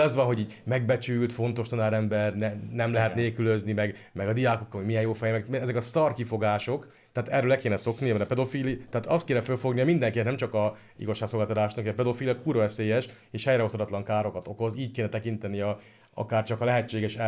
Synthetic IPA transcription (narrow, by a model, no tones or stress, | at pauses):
ɛzʋɒnɦo̞ɟiːɟmɛɡbɛt͡ʃylt̪fo̞nt̪o̞ʃt̪ɒnaːɾɛmbɛrnɛnɛmlɛɦɛt̪neːlkyløznimɛɡ | mɛɡɒd̪ijaːkokːɒomijɛnjoːfɛjɛmɛkmɛzɛkɒst̪ɒrkifo̞ɡaːʃo̞k | t̪ɛaːt̪ɛrːøːlɛkeːnɛso̞kniɒmɛɾɛpɛd̪o̞fiːlit̪ɛaːt̪ɒst̪̚keːnɛfølfo̞ɡnijɒmind̪ɛŋkinɛt̪nɛmt͡ʃɒkɒ | ḭɡoʃːaːɡsolɡaːt̪ɑt̪aːʃnɒkijɛpɛd̪o̞fiːlijɒkuːɾvɛseːjɛʃ | eːʃhɛjɾɛost̪od̪ɒt̪lɒŋkaːɾo̞kɒt̪o̞ko̞ziːc̚keːnɛt̪ɛkint̪ɛniɒ | ɒ̰kaːrt͡ʃɒkɒlɛɦɛt͡ʃːeːɡɛʃɛ